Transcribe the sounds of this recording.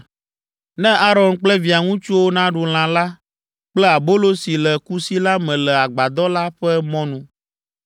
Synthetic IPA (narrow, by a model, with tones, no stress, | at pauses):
nɛ̃˦ʔa˦ɾɔ˨nk͡plɛ˦vi˨a˨ŋũ˦t͡ʃu˦wo˦nã˦ɖu˨l̃ã˨la˦ | k͡plɛ˦a˨bo˦lo˦si˨lɛ˨ku˦si˦la˦mɛ̃˨lɛ˨a˨ɡ͡ba˨d̪ɔ˦la˦ɸɛ˦mɔ̃˦nũ˦